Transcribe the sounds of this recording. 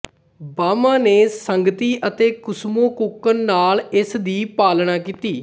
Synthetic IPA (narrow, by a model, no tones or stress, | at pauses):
baːmaːneːsəŋɡət̪iːʔət̪eːkʊsmõːkʊkənːaːlɪsd̪iːpaːlnaːkiːt̪iː